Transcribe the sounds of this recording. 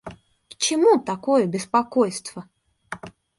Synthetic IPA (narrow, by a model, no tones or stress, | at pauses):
t͡ɕɪmut̪ɐkojəbʲɪspɐkojst̪və